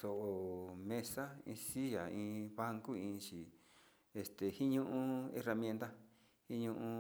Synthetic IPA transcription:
so˨ʔo˨mẽ˧sa˦ḭ̃˧si˦ja̰˨ĩː˧βa˦ŋku˦ĩ˧t͡ʃi˨ | e˧st̪e˨hi˦ɲũ˦ʔũ˦ḛ˧ra˧mj̃ẽ˧nt̪a˦ | hĩ˦ɲũ˧ʔũ˧

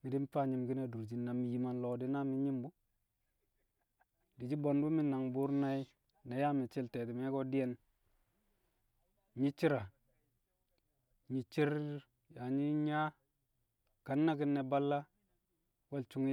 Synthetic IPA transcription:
mi˨di˦m˦fa˦ɲi˨mki˦ne˨du˨ɾd͡ʒi˨na˨mi˨ji˨ma˨nlo˨di˦na˦mi˦ɲi˦mbu˦ | di˨d͡ʒi˦bo˨n˦u˦mi˦na˨ŋbu˦ɾna˦i˦ | ne˨ja˦mi˨t͡ʃi˦lte˨ti˨me˦ko˦di˦je˦n | ɲi˦t͡ʃi˦ɾa˨ | ɲi˨t͡ʃi˦ɾ | ja˨ɲi˦ɲa˦ | ka˨nːa˦ki˦nːe˨ba˦lːa˦ | we˦lt͡ʃu˦ŋ

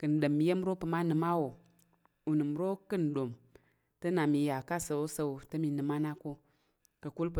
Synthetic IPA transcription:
kɨ˨n˨ɗə˨mːi˨je˦m˦ɾo˦pɨ˨ma˦nɨ˨ma˦wo˨ | u˨nɨ˨m˨ɾo˦kɨ˦n˨ɗo˨m | tə˦na˨mi˨ja˨ka˦sə˨wo˦sə˦˨tɨ˦mi˨nɨ˨ma˦na˦ko˦ | kɨ˨ku˦lp

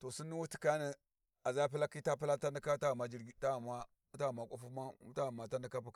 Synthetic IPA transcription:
to˨si˦nːi˦wu˦ti̥˦ka˦ni˨ | a˨za˦p̬i˦la˦ki˦ta˦pi˦la˦ta˦ndi˦ka˦ta˦ɣma˨d͡ʒi˦ɾɡi˦ta˦˨ma˦ | ta˦ɣma˨kʷʼa˦fu˦ma˦ta˦ɣma˨ta˦ndi˦ka˦pu˦˨

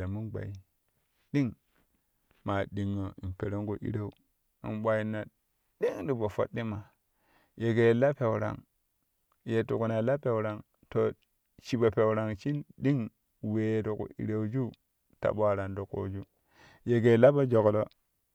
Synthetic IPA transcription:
a˨mu˦nɡ͡ba̰˨i˨ | ɗi˦ŋ | ma˨ɗi˨ŋːo˨i˨mpe˨ɾo˦ŋku˨ʔḭ˦ɾa˦u˦ | ḭ˨mɓʷa˨ji˨nːa˨ | di˦ŋdi˨bo˨fo̰˦tːi˦ma˨ | je˨ɡe˨la˦pe˨wu˨ɾa̰˨ŋ | je˨tu˨ku˨na˨la˦pe˨wɾa˨ŋ | to˨ | t͡ʃi˨ba˨pe˨wɾa˨ŋt͡ʃi˦nɗi˦ŋ | we˨do˨kṵ˨ʔḭ˨ɾa˨u˦d͡ʒu˦ | ta̰˨ɓo˦a˨ɾa˨ndo˨ko̰˨d͡ʒu˦ | je˨ɡe˨la˦ba˦d͡ʒo˨klo˦

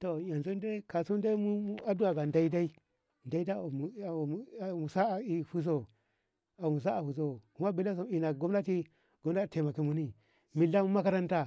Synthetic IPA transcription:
to˨ja˨nzu˦n˦de˦ka˨su˦n˦da˦i˦mu˦u˦a˦du˦a˨ɡa˨nda˦i˦da˦i˦ | nda˦i˦da˦˨mu˨˦˨mu˨sa˦˨i˨hu˦s̬o˦˨ | a˨mu˨s̬a˦a˨hu˨s̬o˦˨ku˨˦ma˦bi˦la˦s̬o˦i˨na˨ɡo˦mna˦ti˦ | ɡo˦m˦a˦i˨e˨ma˨ki˨mu˦ni˦ | mi˨la˦mu˦ma˦ka˦ɾa˦nta˦

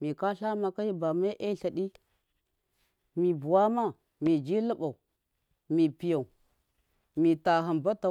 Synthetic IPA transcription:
mi˨ka˦ɬa˦ma˨ka˦ji˦ba˨ma˦ʔe˦ɬa˨ɗi˦ | mi˨bu˨wa˦ma˦ | mi˨d͡ʒi˦lə˦ba˨u˨ | mi˨pi˨ja˨u˨ | mi˨ta˨ɦa˨nba˦ta˨

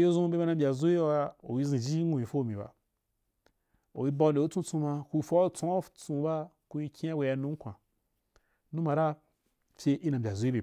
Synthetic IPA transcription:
jo˦zũ˦be˦ba˧˦nã˧˦bʲa˨zu˦i˦a˧o̰˨wi˧zĩ˨d͡ʒi˦ŋũ˨ji˨fo˦˨mĩ˨ba̰˨ | o̰˨wi˦ba˧˨ne˨o˦t͡sũ˦t͡sũ˧ma˧ku˧fo˦t͡sõ˦t͡sũ˧˦ba˦ | ku˧i˧kʲĩ˦a˦bʷe˧ja˧nũ˦ŋ̩˦kʷã̰˨ | nũ˦ma˨ɾa˦ | pʲe˧ʔi˦nã˨a˨zu˦i˦be˨

